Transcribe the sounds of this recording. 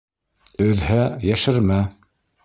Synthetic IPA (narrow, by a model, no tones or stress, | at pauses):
ɵ̆ðhæjæʃɘɾmæ